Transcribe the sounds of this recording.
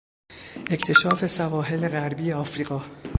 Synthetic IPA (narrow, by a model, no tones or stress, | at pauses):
ʔecʰt̪ʰe̞ʃɒːfe̞sævɒːɦe̞leɣæɾbiːjeɒːfɾiːɣɒː